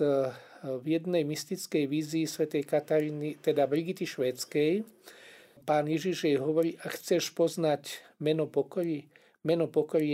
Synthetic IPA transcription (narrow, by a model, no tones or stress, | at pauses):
vjɛd̪nɛjmist̪it͡skɛjʋiːziːsʋɛt̪ɛjkat̪aɾinit̪ɛd̪abɾiɡit̪iʃʋɛːt͡skɛj | paːnjɛʒiʒjɛjɦɔʋɔɾiːʔaxt͡sɛʃpɔznacmɛnɔpɔkɔɾi | mɛnɔpɔkɔɾi